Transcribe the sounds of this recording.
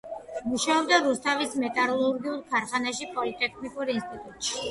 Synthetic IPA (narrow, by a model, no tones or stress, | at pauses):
muʃaɔbd̪aɾust̪ʰavismɛt̪ʼaɾɔlˠɔɾɡiuɾkʰaɾχanaʃipʼɔlit̪ʼɛkʰnikʼuɾinst̪ʼit̪ʼut̪ʼʃi̥